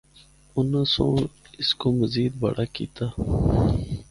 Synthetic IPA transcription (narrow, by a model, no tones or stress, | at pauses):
ʊnãsõ̰ːɳɪskoməziːd̪̚bɐ̰ɽakḭːt̪aː